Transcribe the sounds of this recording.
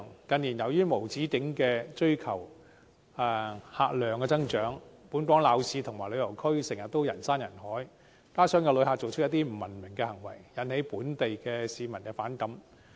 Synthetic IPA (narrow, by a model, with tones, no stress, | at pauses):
ŋkɐ˨˧nːiː˨˩njɐ˨wjyː˥mo˨˩wt͡siː˨˥kɪ˨˥ŋkɛː˧t͡ʃɵ˥ɥkʰɐ˨˩w | ɛ˨˧haː˧k̚lœː˨ŋkɛː˧t͡sɐ˥ŋt͡ʃœː˨˥ŋpuː˨˥nkʷwɔː˨˥ŋlaː˨˧wsiː˧t̪ʰʊ˨˩ŋmaː˨˩jlɵ˨˧jɐ˨˩wkʰɵ˥ɥsɪ˨˩ŋjɐ˨t̪ːo˥wjɐ˨˩nsaː˥njɐ˨˩nhɔː˨˥j | k̪aː˥sœː˨˥ŋkɛ˧lɵ˨˧ɥhaː˨˧k̚t͡so˨wt͡ʃʰɵ˥t̚jɐ˥t̪iː˥m̩˨˩mɐ˨˩nmɪ˨˩ŋkɛː˧hɐ˨˩ŋwɐ̰˨˩jjɐ˨˧˥nhe˨˥jpuː˨˥nt̪e˨jkɛː˧siː˨˧mɐ˨˩nkɛː˧faː˨˥nkɐ˨˥m